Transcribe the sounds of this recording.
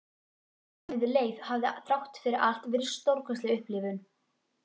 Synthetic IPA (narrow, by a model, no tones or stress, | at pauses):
ɪðɪleːjðhavðɪθɾawht̪fɪɾɪɾʔal̥t̪vɪɾ̥st̪owɾkœst̪ɛɣʏhplɪvʏn